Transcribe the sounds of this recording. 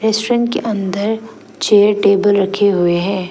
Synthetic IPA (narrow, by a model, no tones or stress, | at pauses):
ɾeːsʈoɾɛ̃ɳʈkeʔɐ̃nd̪əɾ | t͡ʃeːəɾʈeːbəlɾɐkʰeɦʊeɦɛ̃ː